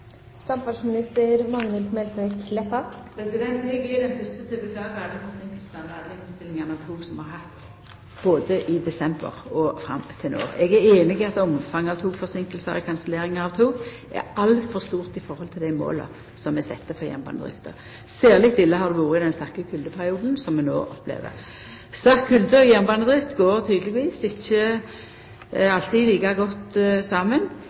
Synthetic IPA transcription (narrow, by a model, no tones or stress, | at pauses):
sɑmfɑsmɪnɪst̪əɾmɑŋʋɪlt̪mɛlt̪ʰkʰlɛpɑpʰɾɛsɪd̪ɛnt̪ɛɡɪd̪ɛnfœʁst̪ət̪ʰɪlbəkʰlɑːɡəɑd̪əfɔɾsɪŋkəlsn̩ɑʋɑd̪əɪnst̪ɪlɪŋənɑʋt̪ʰuːɡsɔmhɑɾhɑt̪ː | b̥oːd̪əʔɪd̪ɛsɛmbə̰ʁɔfʁɑ̰mːt̪ʰɪlo̰ːʁɛɡæɾeːnɪɡɪɑt̪ɔmfɑŋːəɑʋt̪ʰuːɡfɔʁsɪŋkəlsə̰ɾɔ̰kʰɑnsəleːɾɪŋəɑʋt̪ʰuːɡ | æ̰ɾɑlfɔʁst̪uːʁt̪ɪfɔɾɔlt̪ʰɪld̪æɪmo̰ːlə̰ | sɔmɛsɛ̰t̪ːəfɔjɛ̰mbɑ̰nəd̪ʁɪ̰ft̪ʰə̰ | sæːʁlɪkt̪ɪlːəɦɑʁd̪ɛʋuːʁəɪd̪ɛnst̪ɑʁkəkʰʉld̪əpʰæɾɪuːd̪n̩sɔmːɛno̰ːʔɔpːlḛːʋə̰ɾ | st̪ɑʁkʰːʉld̪əɔjɛmbɑnəd̪ɾʁɪft̪ɡoːɾt̪ʰyːd̪əlɪɡʋiːsɪçːə | ɑlt̪ʰiliːkɑɡɔt̪ːsɑːmən